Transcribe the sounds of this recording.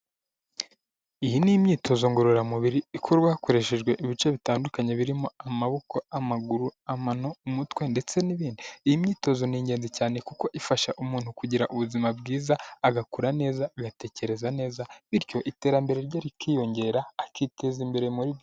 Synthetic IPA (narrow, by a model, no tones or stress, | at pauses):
ijinimɲiːtʰo̞zo̞ŋɡoɾoɾamuβiɾiikʰoɾɡwakoɾe̞ʃe̞ʒɡwe̞ʔiβit͡ʃe̞βitaːndukaɲe̞βiɾimo̞amaβo̞ko̞amaɡuɾuamanoumutwe̞nde̞t͡se̞niβiːndiːhimɲiːto̞zo̞niːɲɟe̞ːnzicaːne̞kuko̞ʔifaʃaʔumuːn̥hukuɟiɾaʔuβuzimab̚ɡiːzaːɡakuɾane̞ːzaaɡate̞ːce̞ɾe̞zane̞ːzaβiɾɟo̞ʔite̞ːɾambe̞ɾe̞ɾɟaːɾikiːjo̞ɲɟe̞ɾaːkitʰe̞zimbe̞ɾe̞muɾiβjo